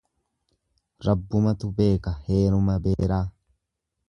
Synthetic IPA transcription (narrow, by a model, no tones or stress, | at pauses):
ɾɐbːʊmɐt̪ʊbe̞ːkɐhe̞ːɾʊmɐbeːɾaː